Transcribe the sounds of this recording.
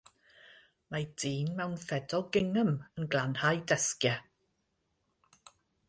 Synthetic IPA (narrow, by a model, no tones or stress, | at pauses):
majdiːnmɛwnθɛdɔɡɪŋəmənɡlˠanhajdɛskja